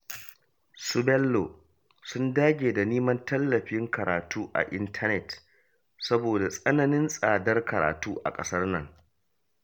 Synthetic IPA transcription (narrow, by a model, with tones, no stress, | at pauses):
sʊ˦bɛ˦lːo˨ | sʊ˦ndaː˦ɡʲeː˨da˨niː˦mɐ˦ntɐ˦lːɐ˨ɸɪ˦ŋkɐ˨ɾa̰ː˨tuː˦ʔa̰˨ʔɪ˦ntʰɐ˦nɛ˦˨t | sɐ˦boː˨da˨sʼɐ˦nɐ˦nɪ˦nsʼaː˨dɐ˦rkɐ˨ɾa̰ː˨tuː˦ʔa̰˨kʼɐ̰˦sɐ˦rnɐ̰˦˨ŋ